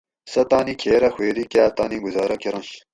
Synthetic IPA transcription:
sɐt̪aːnikʰeːɾɐxweːɾikaːt̪aːniɡuzaːɾɐkiɾɐnɕ

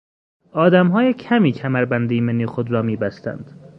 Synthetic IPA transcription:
ɒːd̪æmɦɒːjecʰæmiːcʰæmæɾbænd̪ejmenːixod̪ɾɒːmiːbæst̪æ̰nd̪̥

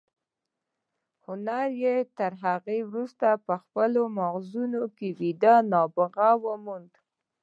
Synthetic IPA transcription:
hʊnaɾjet̪əɾɦaɣewɾust̪apəxpəlomaɣzunokewid̪anɑbəɣawəmund̪

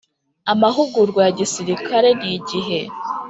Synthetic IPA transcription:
amaɦuɡuɾɡwajaɟisiɾikʰaɾe̞niɟiɦe̞

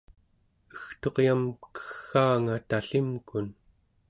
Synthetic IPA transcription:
ə̥xt̪o̞qjamkə̥xːaːŋat̪aɬimkun

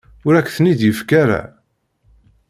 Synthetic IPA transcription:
ʊɾækːθənid̪jəfkaɾa̰

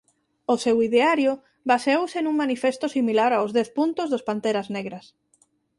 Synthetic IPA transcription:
ʊsewiðeaɾjʊ | baseowsenuŋmanifest̪ʊsimilaɾaozðɛθpunt̪ʊzðospant̪eɾazneɣɾɐs

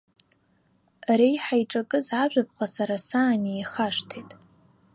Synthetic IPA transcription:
rejħajʈ͡ʂʼakʼɨzaʒʷᶣap̚ʰʼqʼasaɾasaːniːχaʂtʰejtʼ

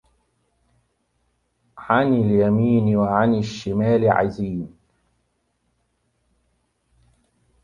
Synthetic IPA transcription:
ʕanɪljamiːnwaʕanaʃːɪmaːlʕa̰ziːn

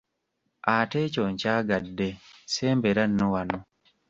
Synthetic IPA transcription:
atet͡ʃoɲt͡ʃaɡadːeseːmbeɾanːowano

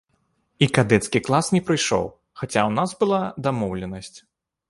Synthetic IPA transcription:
ikad̪ɛt̪skʲiklˠasnʲɛpɾɨjʂɔ̰w | xat͡sʲawnazbɨlˠad̪amɔwlʲɛnɐsʲt͡sʲ

